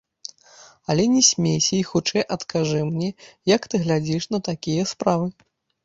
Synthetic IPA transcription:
ɐlʲɛnʲɛsʲmʲejsʲɐixut͡ʂɛjʔɐt̪kʰaʐɨmnʲɛjɐkt̪ɨɣlʲad͡zʲiʂnɐt̪akʲijɐspɾavɨ

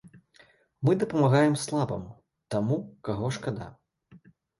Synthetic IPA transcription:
mɨd̪ɐpɐmaɣajɛmslˠabɐ̰m | t̪amukaɣɔʂkad̪a̰

